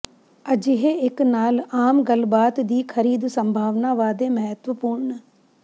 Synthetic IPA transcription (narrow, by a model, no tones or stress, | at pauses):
əd͡ʒɪɦeɪknaːlaːmɡəlbaːt̪d̪iːkʰəɾiːd̪səmbʱaːʋnaːʋaːd̪eːməɦət̪ʋəpuːɾɳ